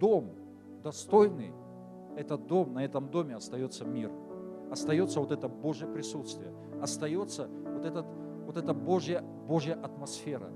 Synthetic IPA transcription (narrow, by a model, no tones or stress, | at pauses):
d̪o̞m | d̪ɐst̪o̞jnɨ̰j | ɛt̪ət̪̚d̪o̞mnɐɛt̪əmd̪o̞mʲɪɐst̪ɐjo̞t̪sːəmʲirɐst̪ɐjo̞t̪səvot̪ɛt̪əbo̞ʐɨjəpɾʲɪsut̪st̪vʲɪjə | ɐst̪ɐjo̞t̪sːə | vot̪ɛt̪ət̪ | vot̪ɛt̪əbo̞ʐjə | bo̞ʐjəʔɐt̪mɐsfʲe̞ɾə̰